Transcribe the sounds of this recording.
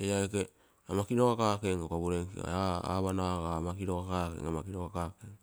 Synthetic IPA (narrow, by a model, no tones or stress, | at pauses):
ejaeke | amakiɾokakaːkeŋokaβuɾeŋkḭa̰aa̰βanaɣaːmakiɾokakakḛŋamakiɾokakakeŋ